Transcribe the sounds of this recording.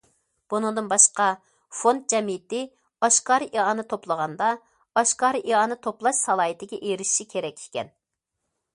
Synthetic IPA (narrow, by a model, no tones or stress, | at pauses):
b̥unɨŋd̪ɨnbɑʃqɑ | font̪̚d͡ʒɛmijɪt̪ɪ | ɑʃkɑːɾɨʔiɑnɨt̪ʰoplˠəʁɑnd̪ɑ | ɑʃkɑːɾɨʔiɑnɨt̪ʰoplˠɑʃsɑlˠɑːit̪ʰɪɡʲɛʔeɾɪʃi̥ʃikʲʰeɾɛkʲi̥kʲɛ̰n